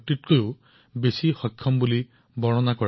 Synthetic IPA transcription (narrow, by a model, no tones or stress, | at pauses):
tit̚kojʊ | besixɔjkʰːɔmbuli | bɔɹɔnakɔɹ